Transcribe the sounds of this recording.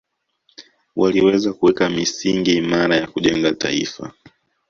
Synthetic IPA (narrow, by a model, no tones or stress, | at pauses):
waliwɛzakuwɛkamisiŋɡiːmaɾajakuʄɛŋɡata̰ḭfa̰